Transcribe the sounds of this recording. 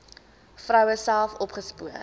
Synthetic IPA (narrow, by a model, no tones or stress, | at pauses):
fɾœwəsælˠfɔpχəspuə